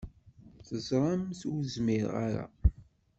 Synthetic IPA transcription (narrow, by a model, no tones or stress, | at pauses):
θəzɾˤamθzmiɾa̰ɾa̰